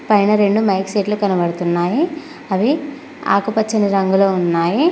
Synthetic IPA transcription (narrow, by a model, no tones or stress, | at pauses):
pɐjnɐɾe̞ɳɖumɐjkseːʈlukɐnɐbɐɽut̪unːaːji | ɐʋi | a̰ːkupɐt͡ʃːɐniɾɐŋɡuloːunːaːji